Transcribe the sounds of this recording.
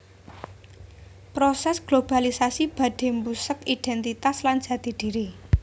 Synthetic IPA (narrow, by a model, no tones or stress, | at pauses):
pɾosɛsɡ̥lob̥alisasib̥ä̤ɖ̪̥e̤mbusəkiɖ̥ɛnt̪it̪asland̥ʒ̥ä̤d̪̥i̤d̪̥i̤ɾi